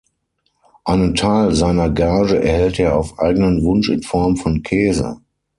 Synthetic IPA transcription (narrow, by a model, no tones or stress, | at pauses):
ʔaɪnəntʰaɪlzaɪnɐɡaɐʒəɛ̰ɐhɛlteːɐaʊfʔa̰ɪɡənənvʊnʃɪ̰nfɔɐmfɔnkʰɛːzə̰